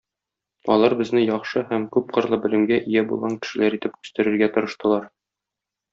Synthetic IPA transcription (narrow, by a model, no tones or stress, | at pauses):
ɒ̰lˠɑɾbɘ̆znɘjɒχʃɤhæmkʉp̚qɤ̆ɾlˠɤbɘ̆lɘ̆mɡæʔijæbulˠʁɑŋkɘ̥̆ʃɘ̆læɾit̪ɘpkʉ̥̆st̪ɘ̆ɾɘ̆ɾɡæt̪ŏɾɤ̆ʃt̪ɤ̆lˠɑɾ